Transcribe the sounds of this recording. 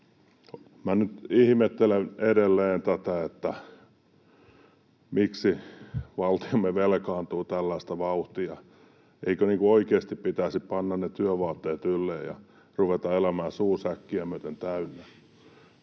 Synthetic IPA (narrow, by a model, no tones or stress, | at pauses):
mænyt̪ihmet̪ːeleneɾelːeːnt̪æt̪æet̪ːæ | miksiʋɑlt̪iomːeʋelkɑːnt̪uːt̪ælːæist̪ɑʋɑuht̪iɑ | eikøniːŋkuoikeːst̪ippit̪æsippɑnːɑnnet̪yøʋɑːt̪ːeːt̪ylːeːjɑ̰ | ruʋet̪ɑelæmæːsuːsækːiæmyøt̪ent̪æynːe